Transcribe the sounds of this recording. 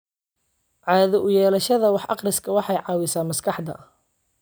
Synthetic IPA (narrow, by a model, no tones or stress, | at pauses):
ʕɑːðɔʔʊjɛːlɐʃɐðɐwɑħʔɑ̰qrɪskʰɐwɑħɑjʕɑːwɪsaːnmɐskʰɑħd̪ɐ̰